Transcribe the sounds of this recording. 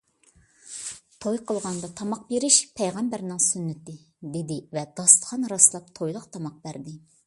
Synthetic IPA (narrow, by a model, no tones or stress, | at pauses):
t̪ʰojqʰəlˠʁɑnd̪ɑt̪ʰɑmɑq̚beɾɪʃpʰɛjʁæmbæɾnɪŋsynːɪt̪ɪ | d̪ed̪ɪvɛd̪̥ɑst̪χɑnɾɑslˠɑp̚t̪ʰojlˠəqt̪ʰɑmɑq̚bæɾd̪ɪ